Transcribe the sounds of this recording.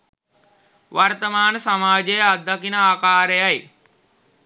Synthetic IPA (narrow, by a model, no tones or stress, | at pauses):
ʋart̪əmaːnəsamaːd͡ʒejad̪ːɐkinəaːkaːɾejaj